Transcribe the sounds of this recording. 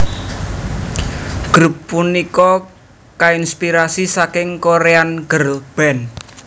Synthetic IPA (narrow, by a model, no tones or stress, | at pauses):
ɡ̥ɾupːunikɔ | kainspiɾasisakɪŋkoɾeanɡ̥ərb̥ɛn